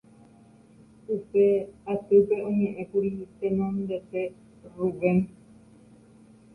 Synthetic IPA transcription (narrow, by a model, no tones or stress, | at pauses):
upeat̪ɨpeʔõɲẽʔẽkuɾit̪enõnd̪et̪e | rubẽn